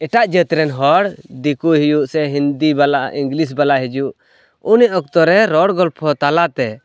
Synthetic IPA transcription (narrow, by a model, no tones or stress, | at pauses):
ɛʈaʔd͡ʒət̪ɾɛnɦɔɽd̪ikuɦijuʔsɛɦind̪ibalaĩŋɡlis̬balaʔɦid͡ʒuʔ | uniɔk̚t̪ɔɾɛɾɔɽɡɔlpʰɔt̪alat̪ɛ